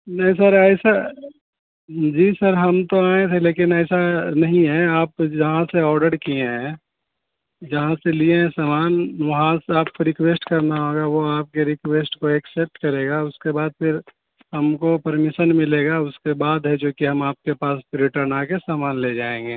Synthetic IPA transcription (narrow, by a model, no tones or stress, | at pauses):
nɐɦĩs̬ɐɾɛːsa | d͡ʒiːsəɾɦɐmt̪oaːẽt̪ʰeleːkɪnɛːsanɐɦĩɦɛ̃aːp̚d͡ʒɐɦãseɔːɾɖəɽkiẽɦɛ̃ | d͡ʒɐɦãseliẽɦɛ̃saːmaːnʋɐɦãseaːp̚koɾɪkweːsʈkɐɾnaɦoːɡaʋoaːp̚keɾɪkweːsʈkoɛksɛp̚ʈkɐɾeːɡaʊskebaːd̪̚pʰɪɾ | ɦɐmkopɐɾmɪʃənmɪleːɡaʊskebaːd̪ɦɛd͡ʒoːkiɦɐmaːp̚kepaːspɪɾɪʈəɾnaːkesaːmaːnled͡ʒaːẽːŋɡeː